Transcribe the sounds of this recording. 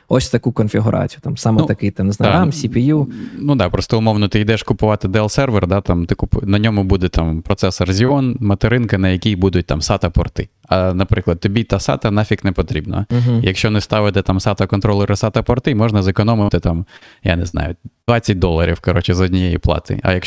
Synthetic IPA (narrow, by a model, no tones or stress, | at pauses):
ɔsʲt̪ɐkukɔnfʲiɦʊɾʔɑ̰t͡sʲi̥jʊt̪ɑmsɑmnut̪ɐkɪjt̪ɪmnɪznaamsʲipʲijunud̪ɑpɾɔst̪ɔʊmɔwnɔt̪ɪijd̪ɛʃkʊpʊʋɑt̪ɪd̪ɛlˠsɛrʋɛrd̪ɑt̪ɑmt̪ɪkʊpʊnɐnʲɔmʊbud̪ɛt̪ɑmpɾɔt̪sɛsɐrzʲiɔnmɐt̪eɾɪnkɪnɐjɐkʲijbud̪ʊt̚ʲt̪amsɑt̪ɐpɔrt̪ɪ | ɐnɐpɾɪklˠɐd̪t̪ɔbʲit̪ɑsɑ̰t̪ɐnɑfʲiknɛpɔt̪ɾʲibnɐ̰ijɐkʃt͡ʃɔnɛst̪ɑʋɪt̪ɛt̪ɑmsɑt̪ɐkɔnt̪ɾɔlˠɪɾɪsɑt̪ɐpɔrt̪ɪmɔʒnɐzekɔnɔmɪt̪ɪt̪ɑmja̰nɪznɑ̰jʊd̪ʋɑt͡sʲːɐt̚ʲd̪ɔlˠɐɾʲiwkɐɾɔt͡ʃɪzɔdʲnʲijɛjḭplˠɑ̰t̪ɪ̰ɐ̰jɐk